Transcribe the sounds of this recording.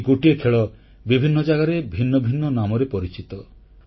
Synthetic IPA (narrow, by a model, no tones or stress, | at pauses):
ɡuʈiekʰeɭɔ | bibʱinːɔd͡ʒaɡaɾebʱinːɔbʱinːɔnamɔɾepɔɾit͡ʃit̪ɔ